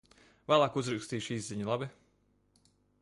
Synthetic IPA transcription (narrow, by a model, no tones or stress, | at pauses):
væːlˠaːkuzɾukst̪iːʃiːzziɲulˠabi